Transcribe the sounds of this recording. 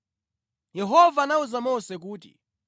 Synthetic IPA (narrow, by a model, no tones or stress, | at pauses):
jɛɦɔvaːnauzamɔsɛk̬uːtḭ